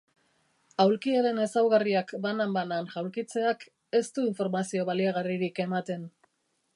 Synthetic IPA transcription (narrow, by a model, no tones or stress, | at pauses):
awlkiaɾe̞ne̞sawɣariakbanambananʝawlkit͡se̞ak | e̞st̪uiɱfo̞ɾmasio̞βaliaɣ̞ariɾike̞mat̪e̞n